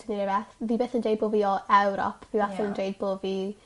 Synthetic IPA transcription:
d̥əniɾɛvɛθviːbeːθəndejd̚boːviːɔʔɛwɾɔ̰pʰviːbaθəəndejd̚boviː

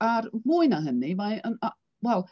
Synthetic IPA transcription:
aɾmuːɨnaɦənivajənɔ | wɛlˠ

